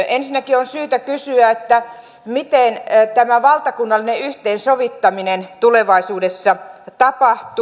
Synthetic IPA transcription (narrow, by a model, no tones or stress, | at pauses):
ensinːækionsyːt̪ækysyæet̪ːæ | mit̪eˑnt̪æmæʋɑlt̪ɑkunːɑlːˑineyht̪eːnsoʋit̪ːɑminent̪uleʋɑisuːdesːɑt̪ɑpɑht̪u